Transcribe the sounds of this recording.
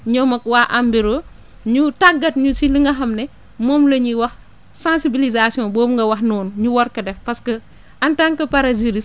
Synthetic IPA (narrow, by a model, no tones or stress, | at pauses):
ɲɔmɐkwaːʔambiɾo | ɲutaɡːɐtɲusiliŋɡɐxɐmnɛ | mɔːmlɐɲiwɐx | sãnsibilizasijɔ̃bɔːmŋɡɐwɐxnɔːnɲuwɔɾkɐdɛfpɐskɐ | ʔɐntaŋkɐpɐɾɐziɾis